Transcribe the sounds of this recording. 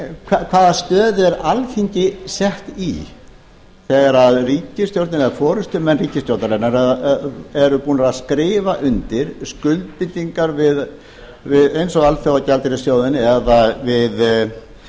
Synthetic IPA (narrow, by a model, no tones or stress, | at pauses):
kʰvakʰvaːðast̪œːðɪɛɾalcʰiɲcɪsɛht̪i | θɛɣaɾaðriːcɪst̪jowɾt̪nɪnafɔːɾʏst̪ʏmɛnːriːcɪst̪jowt̪alɛnaɾaðɛɾʏpuːnaɾaðskɾɪːvaʔʏnt̪ɪɾ̥skʏlt̪̚pɪnt̪iŋkaɾvɪð | vɪðejnsɔɣalθjawacalt̪ɪɾɪsjoːwðɪnɪɛðavɪð